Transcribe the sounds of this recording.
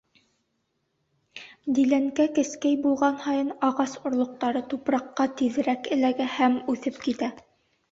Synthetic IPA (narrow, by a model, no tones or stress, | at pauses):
d̪ilæŋkækɘ̆skæjbulˠʁɑnhɑjɤnɑʁɑsŏɾlˠŏq̚t̪ɑɾɤt̪upɾɑqːɑt̪iðɘ̆ɾækɘ̆læɡæhæmʉθɘp̚kit̪æ